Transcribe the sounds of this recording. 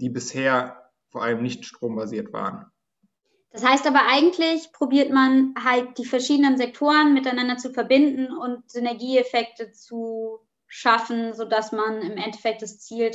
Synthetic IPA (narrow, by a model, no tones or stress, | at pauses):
d̥iːbɪsheːɐ | foːɐʔaləmnɪçtʃtʁ̥oːmbaziːɐtv̥a̰ːʁən | d̥ashaɪstʔaːbɐʔaɪɡŋ̩tʰlɪçpʁ̥obiːɐtmanɦalt̚d̥iːfɛɐʃiːdənənzɛk̚tʰoːʁənmɪtaɪnandɐt͡sufɛɐbɪndn̩ʊntz̥ʏnɛɐɡiːefɛk̚tət͡su | ʃafn̩zoːdasmanɪmʔɛnte̥fɛk̚t̚d̥ast͡siːl